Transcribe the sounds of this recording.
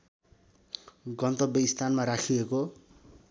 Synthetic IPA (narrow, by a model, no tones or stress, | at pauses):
ɡʌnt̪ʌbjeist̪ʰanmaɾakʰieko